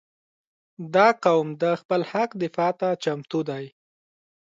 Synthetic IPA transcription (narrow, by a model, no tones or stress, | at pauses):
d̪ɑqawmd̪əxpəlhaqd̪ɪfɑt̪at͡ʃamt̪ud̪aj